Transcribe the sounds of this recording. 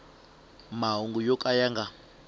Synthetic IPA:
maɦuŋɡujɔkʼajaŋɡa

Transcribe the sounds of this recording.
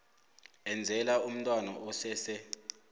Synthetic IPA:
ɛnd͡zʱɛlaum̩tʼwanaʔɔsɛsɛ

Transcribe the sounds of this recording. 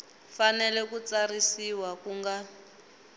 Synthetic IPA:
fanɛlɛkut͡sarisiwakuŋɡa

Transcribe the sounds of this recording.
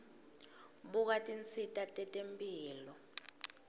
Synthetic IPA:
ɓuk̬atʼint͡sʰitʼatʼɛtʼempʼiːlɔ

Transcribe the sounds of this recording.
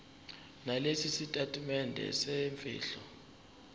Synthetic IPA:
nalesisitʼatʼimɛndʱɛ̰sɛɱfḭːɬɔ

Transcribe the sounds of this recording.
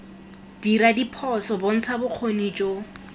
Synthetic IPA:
d̥iradipʰɔsɔbon̩t͡sʰabʊq͡χʰonit͡ʃʼo

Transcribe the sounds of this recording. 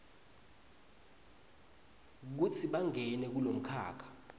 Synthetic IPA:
k̬ut͡sʰiɓaŋɛnɛk̬ulom̩kʰa̰ːkʰḁ

